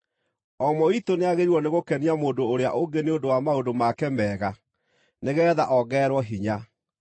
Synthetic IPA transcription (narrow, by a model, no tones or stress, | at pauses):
ɔmɔitoneaɣeɾiwɔneɣokɛniamoːndoːɾea̰ʔoɡeneondowamaondomakɛmɛːɣa | neɣɛːðaʔɔɣɛːɾwɔɦiɲa